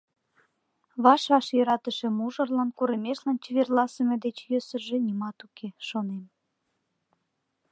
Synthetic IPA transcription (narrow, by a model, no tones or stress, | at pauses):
βɑʃɑʃjøɾɑt̪əʃemuʒə̆rlɑnkuɾemeʃlɑnt͡ɕeβerlɑsə̆med̪et͡ɕjøsəʒĕnʲimɑt̪ukeʃonem